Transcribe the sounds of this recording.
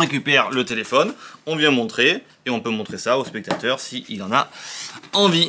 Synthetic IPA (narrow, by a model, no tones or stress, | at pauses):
ʁekʲypɛʁlət̪elefɔnɔ̃vjɛ̃mɔ̃t̪χeː | ɔ̃pømɔ̃t̪χesaospɛk̚t̪at̪œʁsiilɑ̃na | ɑ̃vi